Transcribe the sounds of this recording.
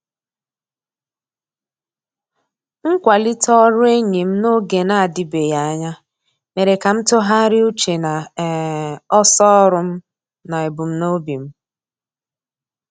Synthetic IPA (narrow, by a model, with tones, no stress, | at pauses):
ŋ̩˦kʷa˨lɪ˦tɔ˦ɾʊ˦e˦ɲi˨m̩˦no˦ɡe˨na˦a˨dɪ˨be˨ja˨˦ɲa˦ | me˨ɾe˨ka˨m̩˦tʊ˦ɦa˦ɾɪ˦u˦t͡ʃe˨na˨ | ɔ˦sɔ˦ɾʊ˨m̩˦ | na˨e˨bʊ˨m̩˦no˦bi˨m̩˦